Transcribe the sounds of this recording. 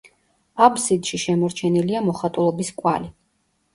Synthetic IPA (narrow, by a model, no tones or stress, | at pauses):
absid̪ʃiʃɛmɔɾt͡ʃʰɛniliamɔχat̪ʼulˠɔbiskʼwa̰li